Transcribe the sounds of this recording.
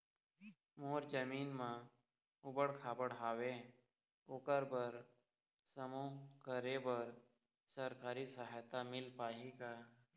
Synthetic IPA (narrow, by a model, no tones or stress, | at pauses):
moːɾd͡ʒəmiːnmã | ʊbəɽkʰaːbəɽɦaːwe | oːkəɾbəɾ | səmõːkəɾebəɾ | səɾkaːɾisəɦat̪amɪlpaːɦikaː